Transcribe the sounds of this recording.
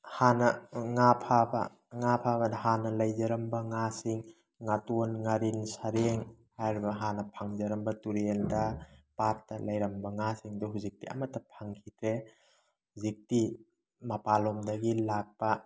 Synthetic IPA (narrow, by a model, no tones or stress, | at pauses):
hanɐŋapʰabɐ̰ | ŋapʰabɐdɦanɐlajzɐɾɐmbɐŋasiŋː | atonŋaɾinsaɾeŋhajɾbɐɦanɐpʰaŋzɐɾɐmbɐtuɾeldɐpat̚dɐlajɾɐmbɐŋasiŋdɔɦuzik̚tiʔa̰matːɐpʰaŋkʰitɾe | huzik̚ti | mɐpalɔmdɐɡilak̚pɐ